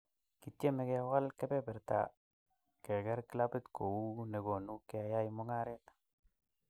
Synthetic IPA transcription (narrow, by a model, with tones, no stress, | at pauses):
ki˨tje˦me˨ke˨wa˦lke˦pe˦pɛ˨ɾta̰˨ | ke˨ɡɛ˦ɾki˦la˦pɪ˦tko˨u˦ne˨ɡo˨nu˦ke˨a˨ja˦imo˦ŋa˦ɾe˦t̪